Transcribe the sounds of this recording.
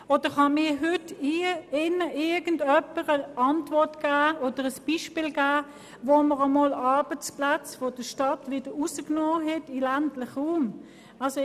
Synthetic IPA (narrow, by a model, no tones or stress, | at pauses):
od̥əχɑmɪːɐɦʏtiɪnəʔɪɐɡ̥ən̩dœpəʁəɑntvɔɐtɡ̥æːod̥əʁəsb̥iʃpiːlɡæː | voməʁəmoːlɑɐb̥ət͡splat͡sfod̥əʃtɑtvɪd̥əusəknɔːɦɛtɪlæntlɪχʁuːm | ɑlso